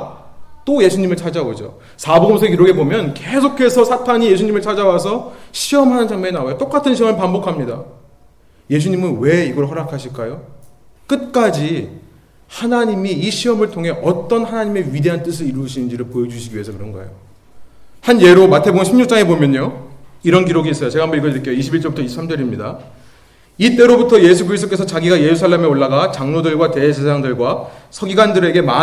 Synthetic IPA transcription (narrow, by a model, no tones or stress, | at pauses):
t͈oje̞sʰuɲimɯɭt͡ɕʰad͡ʑaɡod͡ʑo̰ | sʰaboɡoms̬ʰeek̬iɾoɡe̞bomjʌnkesʰokʰe̞sʰʌsʰatʰaɲije̞sʰuɲimɯɭt͡ɕʰad͡ʑawas̬ʰʌɕʰiʌmɦanɯnsʰaŋmeenawajot͈ok͈atʰɯnɕʰiʌmɯɭpambokʰamɲida̰ | je̞s̬ʰuɲimɯnwe̞iɡʌɾoɦʌɾakʰaɕʰiɭk͈ajo | k͈ɯt̚k͈ad͡ʑi | hanaɲimiːɕʰiʌmɯɭtʰoŋɦe̞ʔʌt͈ʌnhanaɲime̞ɥide̞ɦant͈ɯs̬ʰɯɾiɾuɕʰinɯnd͡ʑiɾɯɭpojed͡ʑuɕʰiɡiɥiɦe̞sʰʌkɯɾʌnɡʌ̰ejo | hanje̞ɾomatʰe̞boŋɯnɕʰimɲuk̚t͡ɕ͈aŋe̞bomjʌɲoiɾʌnɡiɾoɡiːs͈ʌjot͡ɕeɡambʌɾiɡʌnɯk͈ejoiɕʰibiɭt͡ɕ͈ʌbutʰʌisʰamd͡ʑʌɾimɲida | it͈e̞ɾobutʰʌje̞sʰukɯɾist͈ʰo̥k͈e̞sʰʌt͡ɕaɡiɡaje̞ɾusʰaɭːeme̞oɭːaɡat͡ɕaŋnodɯɭɡwate̞sʰesʰaŋdɯɭɡwasʰʌɡiɡandɯɾe̞ɡe̞ma